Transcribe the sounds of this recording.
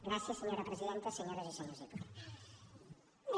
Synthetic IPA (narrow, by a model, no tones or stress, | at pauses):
ɡɾasjasːeɲoɾapɾesið̞ent̪aseɲoɾazesanosek